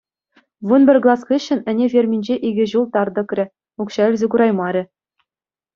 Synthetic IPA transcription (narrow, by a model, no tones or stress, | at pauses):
ʋunbʲɘ̆rʲɡlˠɑskʲiɕːɘ̆nɘ̆nʲevʲerʲmʲinʲd͡ʑeʔiɡʲɘ̆ʑulˠt̪ɑrd̪ɤ̆krʲɘ̆ | ukɕɑɘ̆lʲzʲɘ̆kuɾɑjmɑɾʲɘ̆